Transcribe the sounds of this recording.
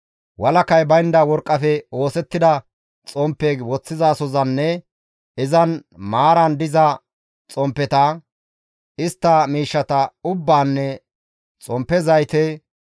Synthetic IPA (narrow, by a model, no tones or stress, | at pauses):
wɐlɐkɐjbɐjɪnd̪ɐwɔɾkʼːɐfɛo̞ːsɛt̪ːɪd̪ɐ | t͡sʼɔmpːewɔt͡sːɪzaːsɔzɐnːɛ | ɪzɐnmaːɾɐnd̪ɪzɐ | t͡sʼɔmpːɛt̪ɐ | ɪst̪ːɐmiːʃːɐt̪ɐʊbːaːnːɛ | t͡sʼɔmpːɛzɐjt̪ɛ